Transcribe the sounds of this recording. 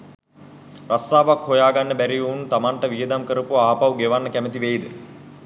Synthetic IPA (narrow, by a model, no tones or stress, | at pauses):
rast̪aːʋakhojaːɡanːəbæɾijuunt̪amaɳʈəʋijəd̪amkəɾəpuaːpawɡeʋanːəkæmət̪iʋejd̪ə